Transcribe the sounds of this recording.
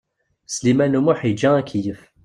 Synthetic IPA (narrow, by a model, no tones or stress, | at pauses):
slimænumuħid͡ʒæækijəf